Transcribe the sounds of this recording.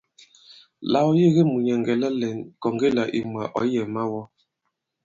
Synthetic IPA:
la˨wɔ˦je˦˨ɣe˦mu˨ɲɛ˨ŋɡɛ˨la˦lɛ˨nkɔ˨ŋɡe˦la˨ʔḭ˨m˨a˨ʔɔ̰˨˦jɛ˨ma˦wɔ˦

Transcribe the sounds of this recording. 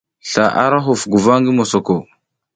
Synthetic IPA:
ɬa˨ʔa̰˦ɾa˦ɦu˨fɡu˨va˦ŋɡi˦mo˨so˨ko˨

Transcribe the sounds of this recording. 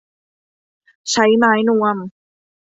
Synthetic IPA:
t͡ɕʰa˦˥jmaː˨˥jnu˧əm

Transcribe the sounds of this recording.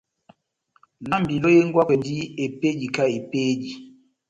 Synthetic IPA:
la˨˦mbi˨lo˦je˦ŋ˦ɡwa˦kɛ˨ndi˦e˨pe˦ɟi˨ka˦e˨pe˦ɟi˨

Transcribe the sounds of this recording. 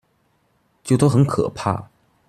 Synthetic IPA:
t͡ɕjʊt̪o˥ʊxə˧˥nkʰɤ̰˨˩pʰa̰˥˩

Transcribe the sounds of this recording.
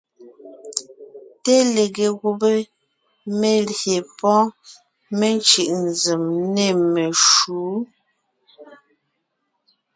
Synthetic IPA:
te˦le˨ɣe˨ɣu˦be˦ | me˦lje˨pɔ̃˦ | me˦n˦t͡ʃɯ˨ʔnzi˨mne˦˨me˨ʃuː˨˦

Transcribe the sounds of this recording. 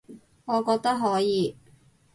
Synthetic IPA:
ŋɔː˨˧kɔː˧k̚t̪ɐ˥k̚ɦɔː˨˥jiː˨˧

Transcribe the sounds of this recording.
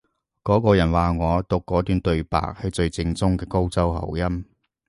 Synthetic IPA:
kɔː˨˥kɔː˧jɐ˨˩nwaː˨ŋɔː˨˧t̪ʊ˨kːɔː˨˧˥t̪yː˨nt̪ɵ˨˧ɥpa̰ː˨k̚hɐ˨jt͡sɵ˧ɥt͡sɪ˧ŋt͡sʊ˥ŋkɛː˧ko˥wt͡sɐ˥wɦɐ̰˨˩wjɐ˥m

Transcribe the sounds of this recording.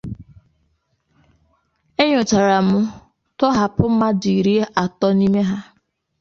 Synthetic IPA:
e˦ɲʊ˨t͡ʃa˨ɾa˨mʊ˦ | tɔ˦ɦa˨pʊ˦m̩˦ma˦dʊ˨i˨ɾi˦e˦ʔa˨tɔ˦ni˦me˦ɦa˦

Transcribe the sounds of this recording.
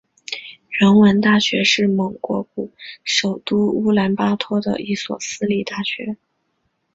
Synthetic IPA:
ɻə˧˥nwə˧˥nt̪a˥˩ɕɥɛ˧˥ʂɻ̩˥˩mɤ˧˥ŋkwɔ̰˧˥p̚u˨˩˦ʂo˨˩ʊt̪u˥u˥la˧˥npa˥t̪ʰwɔ˥d̪ə̰˨˧i˥˩swɔ̰˨˩sɹ̩˥li˨˩t̪a˥˩ɕɥɛ˧˥

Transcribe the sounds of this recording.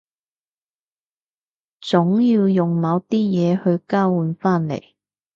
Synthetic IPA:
t͡sʊ˨˥ŋjiː˧wjʊ˨ŋmɐ˨˧wt̪iː˥jɛː˨˧hɵ˧ɥkaː˥wwuː˨˧nfaː˥nlḛ˨˩j

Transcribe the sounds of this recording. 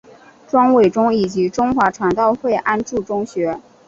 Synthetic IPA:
ʈ͡ʂwɑ˥ŋwe˨˩ɪʈ͡ʂʊ˥ŋi˨˩t͡ɕi˧˥ʈ͡ʂʊ˥ŋxwa˧˥ʈ͡ʂʰwa˧˥nt̪ɑ˥˧ʊxwe˥˩ɪʔa˥nʈ͡ʂu˥˩ʈ͡ʂʊ˥ŋɕɥɛ˧˥

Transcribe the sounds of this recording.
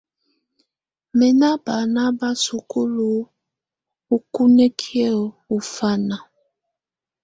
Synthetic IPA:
mɛ˨na˦ba˨na˦ba˦su˨ku˦lu˨ | u˦ku˦nɛ˦kʰi˦ɛ˦˨ | u˨fa˦na˨

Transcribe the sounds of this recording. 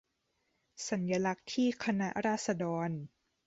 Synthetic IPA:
sa˩˦njaː˧la˦˥k̚t̪ʰiː˥˩kʰa˧na˦˥ʔɾaː˥˩t̪̚sa˧dɔː˧n

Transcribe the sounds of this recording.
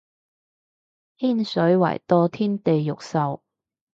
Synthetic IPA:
hiː˥nsɵ˨˥ɥwɐ̰˨˩jt̪ɔː˧t̪ʰiː˥nt̪e˨jːʊ˨k̚sɐ˨w

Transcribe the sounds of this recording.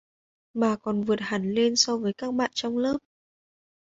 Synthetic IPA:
ɓaː˨˩kɔ˨˩nvɨ˨˩ət̚ha˨˩nle˧nsɔ˧vəː˨˦jkaː˦˥k̚ɓa̰ː˧˨nt͡ɕɔ˧wŋ͡mləː˦˥p̚

